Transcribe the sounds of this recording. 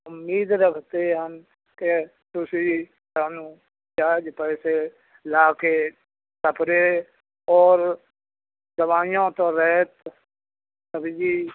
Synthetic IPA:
ʊmːiːd̪ɾəkʰt̪eɦən | ke | t̪ʊsi | saːnũː | d͡ʒaːd͡ʒpɛːse | laːke | səpɾe | ɔːɾ | d̪əʋaːijõt̪õɾɛːt̪ | t̪əbd͡ʒiː

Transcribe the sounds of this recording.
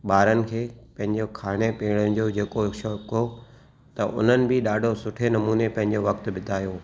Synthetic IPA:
ɓaːɾənɪ̆kʰeːpɐ̃ɦɪ̃ɲd͡ʑokʰaːɽ̃epeːɽənd͡ʑoːd͡ʑeːkoʃoko | t̪ɐʔʊ̰n̤ənɪ̆bɪɗaːɖʱosʊʈʰenɐmuːnepɐ̃ɦɪ̃ɲd͡ʑoʋɐkt̪bɪt̪ʰaːjoː

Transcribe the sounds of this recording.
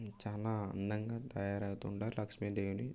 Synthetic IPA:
t͡ʃaːlaːɐ̰nd̪ɐŋɡaːt̪ɐjaːɾɐwt̪uːɳʈaːɾlɐkʂmeːd̪eːʋuni

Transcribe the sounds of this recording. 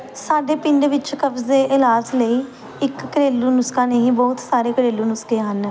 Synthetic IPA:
saːɖeːpɪɳɖʋɪt͡ʃkəb̪eːʔɪlaːzləiː | ɪkːəɾeːlːuːnʊskãːneːĩːbɔːt̪saːɾeːkəɾeːluːnʊskeːɦən

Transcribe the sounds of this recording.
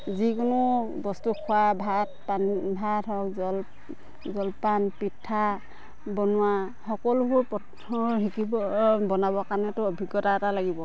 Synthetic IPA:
zikʊnʊbɔstukʰʊwabʱat̚panbʱatʰɔkzɔl | zɔlpanpitʰːa | bɔnʊwa | xɔkɔlubuɹpɔt | ɔɦikibɔbɔnabɔkaɹnɛtʊɔbʱiɡːɔtatalaɡibɔ

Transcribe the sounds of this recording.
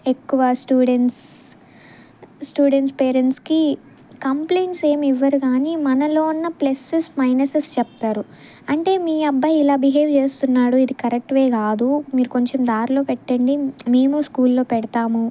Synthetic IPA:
ekːuʋɐsʈjuːɖeɳʈs | ʈjuːɖeɳʈspeːɾeɳʈski | kɐmplejnʈse̞ːmiʋːɐɾuɡaːnimɐnɐlo̞ːunːɐplesesmɐjnɐsest͡ʃɛpɐt̪aːɾu | ɐɳʈe̞ːmiːɐbːɐjilaːbiɦe̞ːʋt͡ʃe̞ːst̪unːaːɽuid̪ikɐɾek̚ʈʋeːkaːd̪umiːɾuko̞ɲt͡ʃemd̪aːɾlo̞ːpɛʈːɐɳɖime̞ːmuskuːlːo̞ːpɛɽɐt̪aːmu

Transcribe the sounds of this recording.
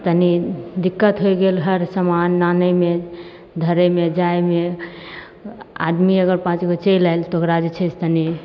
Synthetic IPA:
t̪ənid̪ikːət̪ɦojɡelɦəɾsəmanːanəme | d̪ʱəɾəmed͡ʒajme | a̰d̪miəɡəɾpãt͡ʃɡot͡ʃejlajlt̪ɔokɾad͡ʒet͡ʃʰəst̪əni

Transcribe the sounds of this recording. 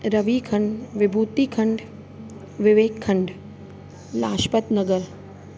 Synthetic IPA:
ɾɐʋikʰɐ̃ɳɖʋɪbʱuːt̪iːkʰɐɳɖ | ʋɪʋeːkʰːɐɳɖ | laːʃpət̪nɐɡəl

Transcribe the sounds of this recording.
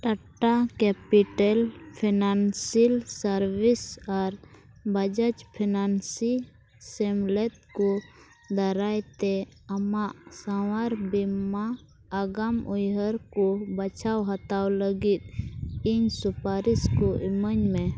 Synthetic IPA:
ʈaʈakɛpiʈɛlpʰinansilsəɾwisaɾ | bəd͡ʒət͡ʃpʰinansi | sɛmlɛt̪̚kɔ | d̪əɾajt̪ɛ | ɐmaʔsawaɾbimaː | ɡamɔjɦəɾkɔbət͡ʃʰawɦat̪awləɡit̪̚iɲsupaɾiskɔʔiməɲmɛ

